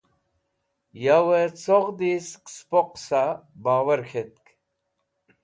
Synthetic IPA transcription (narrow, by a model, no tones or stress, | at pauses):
jawet͡soʁd̪iskspoqsabaːwɐɾkʰet̪̚k